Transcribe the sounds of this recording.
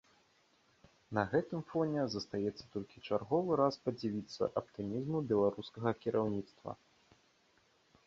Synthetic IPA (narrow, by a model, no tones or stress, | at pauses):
nɐɣɛt̪ɨmfɔnʲɛzɐst̪ajɛt̪sːɐ̥t̪ɔlʲkʲit͡ʂarɣɔvɨɾaspɐd͡zʲavʲit̪sːɐ̰ʔɐp̚t̪ɨmʲizmubʲɛlˠaɾuskɐɣɐkʲiɾʔawnʲit̪st̪vɐ̰